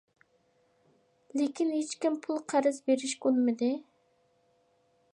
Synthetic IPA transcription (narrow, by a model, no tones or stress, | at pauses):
lekʲinɦet͡ʃkʲimpʰulˠqʰæɾɨzbeɾɪʃkʲolˠmɨd̪ɪ